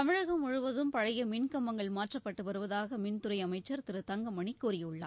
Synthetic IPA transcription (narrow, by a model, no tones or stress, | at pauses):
t̪ɐmɪɻɐɣɐmʊɻʊʋɐðɯmpɐɻɐjɐmɪnkɐmːɐŋɡɐɭmaːʈrɐpːɐʈːɯʋɐɾɯʋɐðaːɣɐmɪnt̪ʊɾɐɪɐmɐɪt͡ʃːɐɾt̪ɪɾɯt̪ɐŋɡɐmɐɳɪkːuːɾɪjɯɭːɐ̰